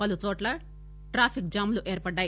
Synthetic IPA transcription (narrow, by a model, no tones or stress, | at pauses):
pɐlut͡ʃɔːʈlɐ | ʈɾaːpʰikd͡ʒaːmluʔeːɾpɐɖːaːji